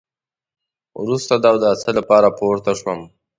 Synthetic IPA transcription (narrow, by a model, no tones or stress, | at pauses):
wɾust̪ad̪ɑwd̪əasəlapɑɾapoɾt̪aʃwəm